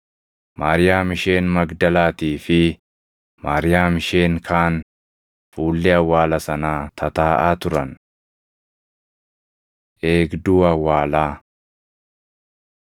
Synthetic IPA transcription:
maːɾɪjaːmɪʃe̞ːnmɐɡd̪ɐlaːt̪iːfɪ | maːɾɪjaːmɪʃe̞ːŋkʰaːn | fuːlːɛɐwːaːlɐsɐnaːt̪ʰɐt̪aːʔaːt̪ʊɾɐn | ʔe̞ːɡd̪uːɐwːaːlaː

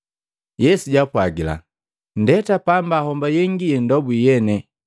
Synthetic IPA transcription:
jɛsuɟapwaɡila̰ | n̩dɛtapambahɔmbajɛŋɡijɛndɔbujɛnɛ

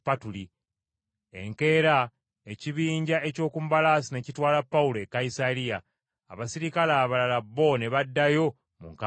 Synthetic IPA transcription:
patuli | e̞̰ŋke̞ːɾa | e̞ciβiːɲɟaʔe̞co̞ːkumubalaːsine̞citwaːlapːaulo̞ekːaisalija̰ː | βasiɾikalaːβalalaβːo̞ne̞βadːajo̞ | mṵŋka

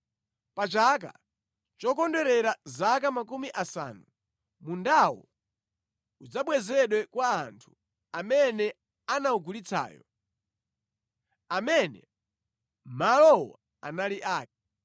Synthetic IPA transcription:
pat͡ʃaka̰ | t͡ʃɔkɔndɛɾɛɾazakamakumiʔasa̰nu | mundawɔ̰ | ud͡zaɓwɛzɛɗwɛkwaːntʰu̥ | amɛnɛ | anauɡulit͡sʰa̰ːjɔ | amɛnɛ̰ | malɔwɔ̰ | a̰naliʔaːk̚i̥

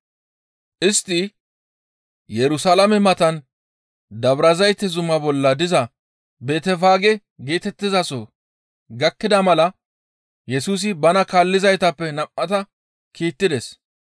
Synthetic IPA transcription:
ʔɪst̪ːɪ | jɛɾʊsalɐmɛmɐt̪ɐn | d̪ɐbɾɐzɐjt̪ːɛzʊmɐbɔlːɐd̪ɪzɐ | be̞ːt̪ɛfaːɡɛ | ɡeːt̪ɛt̪ːɪzɐsɔ | ɡɐkːɪd̪ɐmɐlɐ | jɛsuːs̬ɪbɐnɐkaːlːɪzɐjt̪ɐpːɛnɐmːɐt̪ɐ | kiːt̪ːɪd̪ɛs

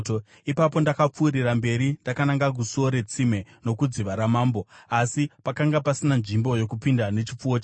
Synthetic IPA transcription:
ipapo̞ndakap͡fuːɾirambe̞ɾindakanaŋɡaɡ̬usoɾe̞t͡sime̞no̞kud͡ziʋaɾamaːmbo̞asipakaŋɡapasinanʐimbo̞jo̞kupindane̞t͡ʃip͡fuot͡ʃː

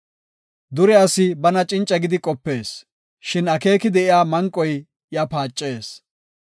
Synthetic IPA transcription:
d̪ʊɾɛɐsɪbɐnɐt͡ʃʼɪnt͡ʃʼɐɡɪd̪ɪkʼɔpːe̞ːs | ʃɪnɐke̞ːkɪd̪ɛʔɪjaːmɐŋkʼːɔj | jɐpaːt͡ʃʼːeːs

